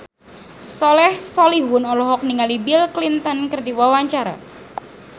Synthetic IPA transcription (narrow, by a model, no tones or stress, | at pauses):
sɔlɛhsɔlihwʊnɔlɔɦɔk̚niŋalibilklint̪ənkərdiwawaɲt͡ʃaɾa̰